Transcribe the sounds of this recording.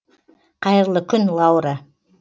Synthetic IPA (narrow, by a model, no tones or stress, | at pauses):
qʰɑjəɾlˠəkʲʰʏnlˠɑwɾa